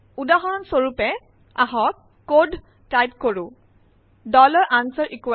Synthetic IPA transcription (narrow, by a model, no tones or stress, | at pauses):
udaɦɔɹɔnsoɹupɛ | aɦɔk | kod | tajtkoɹʊ̃ | dɔlɔɹʔansɔɹʔikua